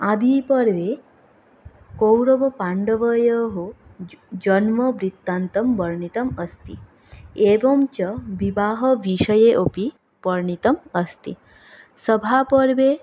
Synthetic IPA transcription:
ad̪ʱiːpɐɾʋe | kowɾɐʋɐpaɳɖɐʋɐjɐɦo | d͡ʒɐnmɐbɾit̪ːant̪ɐmbɐɾɳit̪ɐmɐst̪i | eːbɐmt͡ʃɐʋibaːɦɐʋiʃɐjeʔopi | pɐɾɳit̪ɐmɐst̪ḭ | sɐbʱapɐɾʋeː

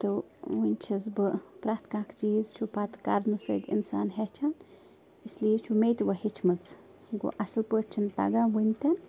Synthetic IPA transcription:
t̪ɨwɨnʲt͡ʃʰizbɨpɾaːt̪ʰkãːkʰd͡ʒiːzt͡ʃʰupat̪ka̰ɾnɨsə̰ːd̪ḭnsa̰ːnɦɛt͡ʃʰan | islijit͡ʃʰumʲejt̪ʋɐɦit͡ʃʰmɨt͡s | ɡo̰ʔɐsɨlpəːʈt͡ʃʰint̪ɐ̰ɡaʋɨnʲt̪ʲɐn

